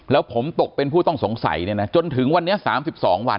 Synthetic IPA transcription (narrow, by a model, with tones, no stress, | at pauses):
lɛː˦˥wpʰo˩˦mt̪o˨˩k̚pe˧npʰuː˥˩t̪ɔ˥˩so˨˩˦ŋsa̰˨˩˦jni˥˩na˦˥t͡ɕo˧nt̪ʰɯ˩˦ŋwa˧nːi˦˥ɐsaː˩˦msi˨˩p̚sɔː˩˦ŋwa˧n